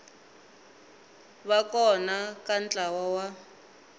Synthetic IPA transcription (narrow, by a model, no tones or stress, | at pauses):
βakɔnakant͡ɬʼawɔwa